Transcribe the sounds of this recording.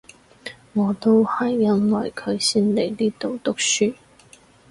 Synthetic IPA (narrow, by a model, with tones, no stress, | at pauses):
ŋɔː˨˧t̪o˥whɐ˨jːɐ˥nwɐ˨˩jkʰɵ˨˧ɥsiː˥nle˨˩jliː˥t̪o˨wt̪ʊ˥k̚syː˥